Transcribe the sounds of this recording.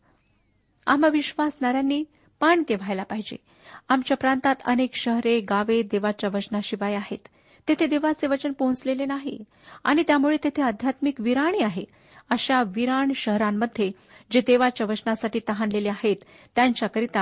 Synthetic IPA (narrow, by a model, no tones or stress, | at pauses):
a̰m̤aʋiɕʋasnaɾjanːiː | paɳkeʋ̤ʱajlapaɦid͡ʑḛ | amt͡ɕjapɾant̪at̪ə̰nekɕəɦɾeɡaʋed̪eʋat͡ɕjaʋət͡ɕnaɕiʋajaɦḛt̪ː | et̪ʰed̪eʋat͡seʋət͡ɕənpõt͡slelenaɦḭ | a̰ɽ̃it̪jamuɭet̪et̪ʰeəd̪ʱjat̪mikʋiɾaɽ̃iːaɦe | əɕaʋiɾaɳɕəɦɾamːəd̪ʱːje | d͡ʑed̪eʋat͡ɕjaʋət͡ɕnasaʈiːt̪əɦanleleaɦet̪ː | jaɲt͡ɕjakəɾit̪a